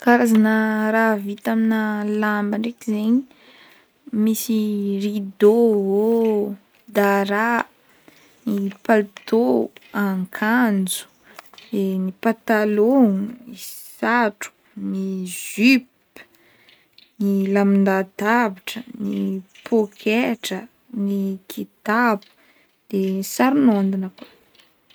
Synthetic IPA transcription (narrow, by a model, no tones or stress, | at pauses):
kaɾazanəɾavit̪aminəlambəɳɖ͡ʐekizeɲi | misirid̪oɦo | d̪aɾa | nipalt̪oaŋkʰand͡zu̥ | denipat̪aloŋisaʈ͡ʂu̥ | niʒzyp | nilamind̪ad̪aviʈ͡ʂənipʰokʰeʈ͡ʂə | nikʰit̪abu̥ | d̪̥enisaɾunand̪inəko